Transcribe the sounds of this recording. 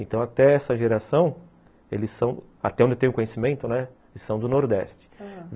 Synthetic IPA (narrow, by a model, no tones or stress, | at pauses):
ẽt̪ɐ̃w̃at̪ɛɛsɐʒeɾasɐ̃w̃ | elɪssɐ̃w̃ | a̰t̪ɛõd͡ʒ̪ewt̪ẽʊ̃kõɲesimẽnt̪ʊnɛ | elɪsɐ̃w̃d̪ʊnoɾd̪ɛ̰st͡ʃɪ̥v